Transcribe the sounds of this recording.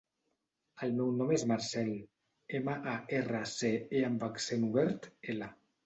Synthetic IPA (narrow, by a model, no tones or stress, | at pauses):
əlmɛwnɔmezmaɾsɛl | eməʔaerəseeambaksenuβɛɾt̪ela